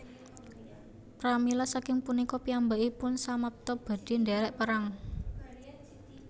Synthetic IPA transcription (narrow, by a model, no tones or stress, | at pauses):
pɾamilasakɪŋpunikɔpiambaʔipʊnsamap̚t̪ɔb̥a̤d̥i̤ndɛɾɛʔpəɾaŋ